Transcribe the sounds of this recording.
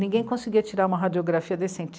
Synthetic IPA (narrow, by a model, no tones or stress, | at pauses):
nĩŋɡẽj̃kõsiɡiɐt͡ʃiɾaɾũmɐɦad͡ʒioɡɾafiɐd̪esẽt͡ʃ